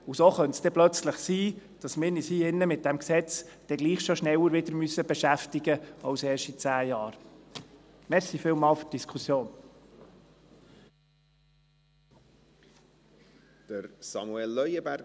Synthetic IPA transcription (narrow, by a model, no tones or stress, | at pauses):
usoχœntsd̥ɛplœt͡sləχsiːd̥ɑsmɪːɾnishiːɪnːəmɪt̚d̥ɛmksɛt͡sd̥ɛɡ̥liːχʃoʃnɛwəɾʋɪdəɾmysːəbɛʃæftɪɡəɑwsɛːrʃtit͡sæːjɑːɾ | mɛɾsifɪːlmɑːlfy̥td̥iskʰusjoːn | d̪̥əɾsɑ̰muɛlːœjəbæɾ